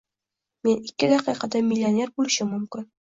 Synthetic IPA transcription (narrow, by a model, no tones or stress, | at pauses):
me̞nikʲːɪd̪ɑqiqɑd̪amʲɪlʲːonʲe̞ɾbulɪʃɪmɵmkʲɪn